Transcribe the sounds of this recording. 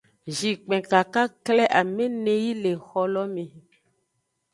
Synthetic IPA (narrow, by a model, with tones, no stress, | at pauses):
ʒi˨k͡pɛ̃˨ka˨ka˦klɛ˦ʔa˨mẽ˦nẽ˨ji˦le˨xɔ˦lɔ˦mẽ˨